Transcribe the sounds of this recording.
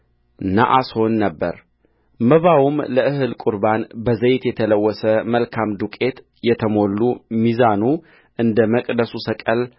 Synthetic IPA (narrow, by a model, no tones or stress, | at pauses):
na̰ʔasho̞nːəbːə̰ɾ | məβawumləʔɨɦɨlkʼuɾbanbəzəjt̪jɛt̪ʰələwːɔsəməlkʰamd̪ukʼe̞t̪ | jɛt̪ʰəmo̞lːumizanu | ʔɨnd̪əməkʼd̪əsusəkʼəl